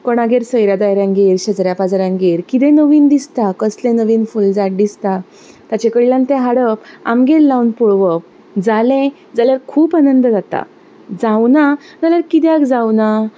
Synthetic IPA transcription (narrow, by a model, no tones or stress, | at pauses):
kɔɽ̃aɡeɾsəjɾjad̪ajɾjãŋɡeɾɕəd͡zɾjapad͡zaɾãŋɡeɾkit̪ɛ̃nəʋiːnd̪ist̪akəslẽnəʋiːnfuld͡zaʈ̚d̪ist̪a | t̪at͡ɕẽkəɽilãnt̪ɛɦaɽəpa̰mɡellːawnpuɭʋəp̚ | d͡zalẽ | d͡zaljaɾkʰuːpanənd̪əd͡zat̪a̰ | d͡zawna | d͡zaljaɾkit̪jakd͡zawna